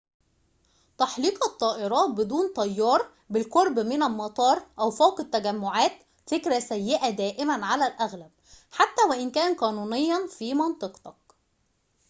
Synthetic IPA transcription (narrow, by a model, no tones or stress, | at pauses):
t̪ɑħliːqɑt̪ˤːɑːʔeɾˤɑːt̪̚bɪd̪uːnt̪ˤɑjːɑːɾˤ | bɪlqoɾˤbmɪnælmɑt̪ˤɑːɾˤʔæwfæwqɪt̪ːæɡæmːoʕaːt̪ | fekɾæsæjːɪʔæd̪æːʔɪmænʕalælʔæɣlæb̚ | ħat̪ːæːwæʔɪnkæːnqɑːnuːnejːɑnfiːmɑnt̪ˤɨqt̪ɑk̚